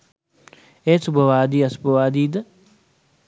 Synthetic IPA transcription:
eːsubʱəʋaːd̪iːɐsubʱəʋaːd̪iːd̪ə

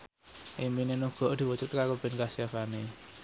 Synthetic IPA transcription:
ʔeminenuɡ̥ɔ̤ʔd̪̥i̤wɔt͡ʃʊt̪̚kaɾob̥e̤nkasiafane

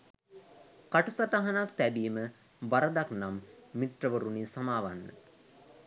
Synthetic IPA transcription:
kaʈusaʈaɦanak̚t̪æbiːmə | baɾəd̪aknamːiʈrəʋəɾunisamaːʋanːə̰

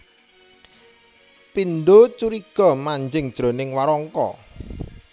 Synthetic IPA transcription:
pinɖot͡ʃuɾiɡ̥ɔ̤maɲd͡ʒɪŋd̥ʒ̥ɾo̤nɪŋwaɾɔŋkɔ̰

